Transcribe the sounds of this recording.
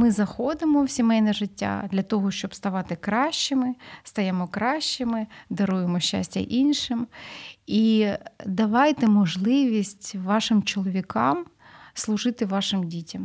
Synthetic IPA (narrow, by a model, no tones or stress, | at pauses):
mɪzɐxɔd̪ɪmɔwsʲimɛjnɛʒɪtʲːa̰d̪lʲɐt̪ɔɦɔʃt͡ʃɔbst̪ɐʋɑt̪ɪkɾɑʃt͡ʃɪmɪst̪ɐjemɔkɾɑʃt͡ʃɪmɪd̪ɐɾujemɔʃt͡ʃːa̰sʲtʲɐ̰ʔinʲʃɪm | id̪ɐʋɑjt̪ɛmɔʒlˠɪʋʲisʲtʲʋɑʃɪmt͡ʃɔlˠɔʋʲikɑm | slˠʊʒɪt̪ɪʋɑʃɪmdʲitʲɐm